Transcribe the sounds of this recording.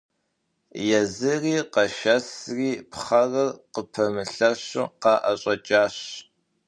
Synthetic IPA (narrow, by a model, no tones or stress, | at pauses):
jɛzɨriːqɐʃɐsriːpχɐrɐrqəpʰɐmɨɬɐɕʊ̰qɑʔɐɕʼɐt͡ʃʼaːɕ